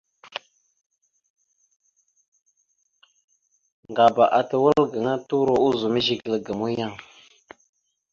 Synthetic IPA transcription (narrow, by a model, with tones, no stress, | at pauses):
ŋŋ˨ɡa˨ba˨ʔa˨tə˨wə˦lɡə˨ŋa˦tu˦ɾo˦ʔu˦zu˨mə˦ʒi˦˨klə˨ɡə˨mu˦ja˦ŋ